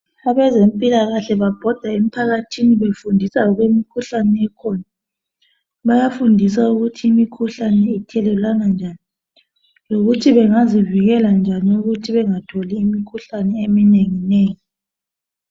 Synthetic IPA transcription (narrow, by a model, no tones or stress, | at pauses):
aβɛzempʼilaɣaɬɛβab̥ʱɔd̥ʱaem̩pʰaɣatʰiniβefundʱisaɔɣwemikʰuɬanɛɛkʰɔna | βajafundʱis̬auɣutʰiːmikʰuɬanɛitʰɛlɛlanand͡ʒʱani | loɣutʰiβɛŋaziviɣɛland͡ʒʱaniuɣutʰiβɛŋatʰɔliːmikʰuɬanɛemineŋineːŋi